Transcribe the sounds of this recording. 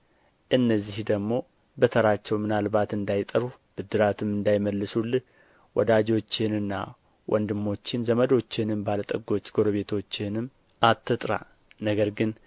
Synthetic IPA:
ʔɨnːəzːihd̪əɡmo̞ | bət̪ʰəɾat͡ʃːɛwmɨnalbat̪ɨnd̪ajt̪ʼəɾub̥ɨd̪ːɨɾat̪ʰɨmːɨnd̪ajməlːɨsulːɨh | wɔ̰d̪ad͡ʒo̞t͡ʃːɪnɨnːa̰ | wʔɔ̰nd̪ɨmːo̞t͡ʃːɪnzəməd̪o̞t͡ʃːɪnɨmbalət̪ʼəɡo̞t͡ʃːɡo̞ɾəβe̞t̪ʰo̞t͡ʃːɪnɨmː | at̪ʰːɨt̪ʼɾa̰ | nəɡəɾɡɨn

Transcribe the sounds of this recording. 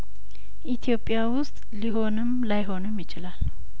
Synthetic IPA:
ʔit̪ʰijo̞pʼːjawʊst̪ʼliɦo̞nɨmlajɦo̞nɨmjɪt͡ʃɪlal

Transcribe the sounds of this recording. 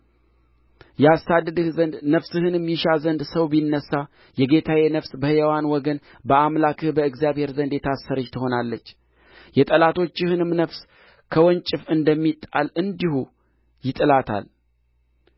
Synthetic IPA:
jɛasːad̪ːɨd̪ɨhzənd̪nəfsɨhɨnɨmjɪʃazənd̪səwbinːəsːa | jɛɡe̞t̪ʰawenəfsbəhɨjɛwanwɔɡən | bəamlakɨhbəɨɡzijaβhe̞ɾzənd̪jɛt̪ʰasːəɾəd͡ʒt̪ʰɨɦo̞nalːət͡ʃː | jɛt̪ʼəlat̪ʰo̞t͡ʃːɪhɨnɨmnəfs | kʰəwɔnt͡ʃʼɪfɨnd̪əmːit̪ʼːa̰lɨnd̪ihu | jɪt̪ʼɨlat̪ʰa̰l

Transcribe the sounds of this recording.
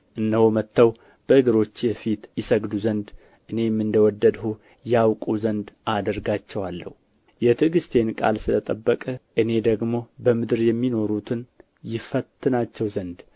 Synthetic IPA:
ʔɨnːəhomət̪ːəw | b̥əɨɡɨɾo̞t͡ʃːjɛfit̪jɪsəɡd̪uzənd̪ | ʔɨne̞jmːɨnd̪əwɔd̪ːəd̪hu | jawkʼuzənd̪ʔad̪əɾɡat͡ʃːɛwalːə̰hu | jɛt̪ʰɨɡɨst̪ʰe̞nkʼa̰lsɨlət̪ʼəbːəkʼəʔɨne̞d̪əɡmo̞bəmɨd̪ɨɾjɛmːino̞ɾut̪ʰɨn | jɪfət̪ʰːɨnat͡ʃːɛwzənd̪

